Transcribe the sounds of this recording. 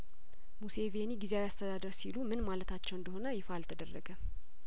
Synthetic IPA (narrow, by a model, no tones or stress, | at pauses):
museveniɡizeawjast̪ʰəd̪ad̪əɾsilumɨnmalət̪ʰat͡ʃːɛwɨnd̪əho̞nəjɪfalt̪ʰəd̪ərːə̰ɡə